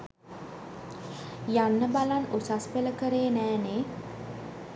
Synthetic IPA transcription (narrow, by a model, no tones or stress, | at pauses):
janːəbalanusaspeləkəɾeːnæːne